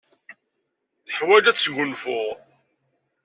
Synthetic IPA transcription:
θəħwælæt͡sːʝʊnfʊʁ

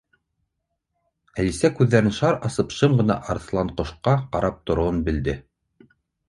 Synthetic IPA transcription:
ælisækʉðːæɾɘnʃɑɾɑsɤpʃɤmɢɤ̆nɑ̰ʔɑɾθlˠɑɴqŏʃqɑqɑɾʔɑp̚t̪ŏɾŏwɤnbɘ̆ld̪ɘ

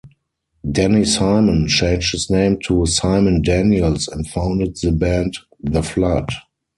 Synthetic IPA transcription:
dɛnisaɪmə̃nt͡ʃẽɪ̃nd͡ʒthɪsnẽɪ̃mtʰusaɪmə̃ndæ̃njəlsɛ̃ntfãʊ̃ndədðəbæ̃nd | ðəflad

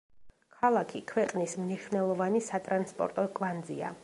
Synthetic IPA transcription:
kʰalˠakʰikʰwɛqʼnismniʃwvnɛlˠɔvanisat̪ʼɾanspʼɔ̰ɾt̪ʼɔkʼvand̪zḭa̰

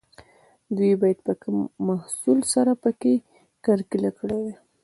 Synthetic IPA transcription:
d̪wibɑjad̪̚pəkəmːahsulsaɾapəke | kaɾkilakəɽewe

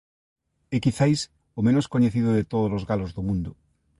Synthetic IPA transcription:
ɪkiθajs | omẽnoskoɲeθiðʊðet̪oðolozɣalozðomũnd̪ʊ

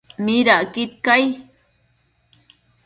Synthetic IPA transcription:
miɾaʔkit̪̚kaj

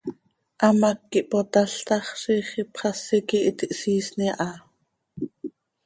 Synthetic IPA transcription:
ʔɑmɑkːiʔpot̪ɑɬt̪ɑχʃiχipχɑsikiʔit̪iʔsiːsniʔɑ

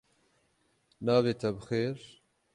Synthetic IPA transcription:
naːveːt̪ʰɛbɨxeːɾ

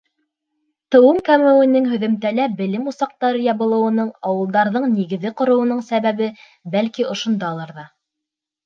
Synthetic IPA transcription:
t̪ɤ̆wɤmkæmɘ̆wɘ̆nɘŋɦɵ̆ðɵ̆mt̪ælæbɘ̆lɘmusɑq̚t̪ɑɾɤjɑβɤ̆lˠɤ̆wɤ̆nɤɴɑwɤ̆lˠd̪ɑɾðɤɴniɡɘ̆ðɘqŏɾɤ̆wɤ̆nɤɴsæβæβɘ | bælkiʔŏʃŏnd̪ɑlˠɑɾðɑ

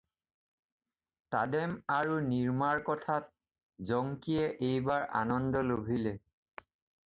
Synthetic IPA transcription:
ta̰dɛmaɹuniɹmaɹkɔtʰat̚ | zɔŋkiɛʔejbaɹʔa̰nɔndɔlobʱilɛ

